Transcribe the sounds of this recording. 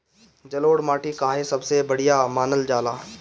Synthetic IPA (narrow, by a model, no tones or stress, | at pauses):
d͡ʒɐloːɽmaːʈʰikaːɦesɐbsebəɽ̤ijamaːnəld͡ʒaːlaː